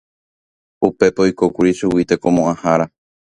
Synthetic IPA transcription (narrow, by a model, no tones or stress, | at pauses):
upe̞pojkokuɾiʃuwit̪eko̞mõʔãhaɾa